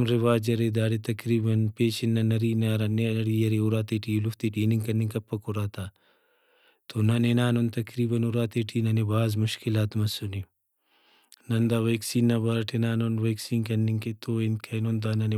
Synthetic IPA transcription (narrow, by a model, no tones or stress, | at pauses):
mɾɪʋaːd͡ʒɐɾed̪aːɽet̪ɐkɾiːbɐnpeːt͡ʃinːɐnɐɾiːnaɾɐneɐɽiːjɐɾeʊɾaːt̪eːʈiːluft̪iʈeːniŋɡkɐniŋkɐpːɐkuɾaːt̪aː | t̪onɐnenaːnont̪ɐkɾiːbɐnuɾaːt̪eʈʰiːnɐnebaːzmʊʃkɪlaːt̪mɐsuni | nɐnd̪aʋeːksiːnːɐbaɾɐʈʰinaːnonʋeːksiːnkɐnːiŋket̪oɪnkʰɐinond̪aːnɐne